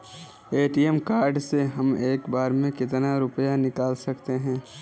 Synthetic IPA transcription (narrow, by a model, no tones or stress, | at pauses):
eːʈiɛmkaːɾɖseɦɐmeːkbaːɾmẽkɪt̪naɾʊpəjanɪkaːlsɐkt̪eɦɛ̃ː